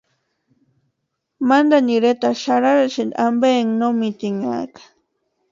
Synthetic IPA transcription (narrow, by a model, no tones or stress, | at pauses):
mand̪aniɾet̪aʃaɾaɾaʃind̪ambeŋnomɪt̪ɪŋa̰kḁ